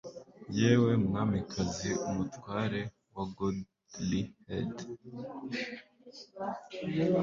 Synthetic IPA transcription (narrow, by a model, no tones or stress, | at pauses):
jeːwe̞mŋaːmikʰaziumutwaːɾe̞ | waɡud | lihed